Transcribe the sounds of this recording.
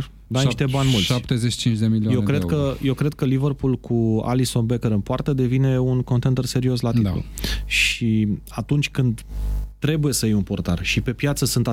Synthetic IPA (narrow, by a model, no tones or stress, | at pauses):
d̪anʃt̪ebanʲmultʃsapt̪ezet͡ʃːi̥t͡ʃint͡ʃd̪emiliajewkɾed̪kəje̞wkɾe̞d̪̚kəlivərpulkʰua̰liso̞nbekeɾɨnpoart̪əd̪e̞vineunkont̪e̞nd̪ərse̞ɾio̞slat̪itṵlʃiat̪unt͡ʃʲkɨnd̪t̪ːɾe̞buje̞səjijunpo̞rt̪a̰rʃipe̞pjat̪səsɨnt̪a